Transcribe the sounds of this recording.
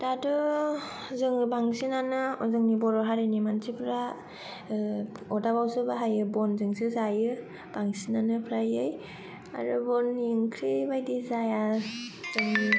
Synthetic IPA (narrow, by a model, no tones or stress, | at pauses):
d̥adɯ | zɯŋbaŋsinanɯɔzɯŋnibɔɾɔɦaɾɯnimansʰipʰɾa | ɔdabawsɯbaɦajɯbɔnzɯŋsɯzajɯ | b̥aŋsinanɯpʰɾajɯj | a̰ɾɯbɔnːiɯŋkʰɾibajdizajazɯŋ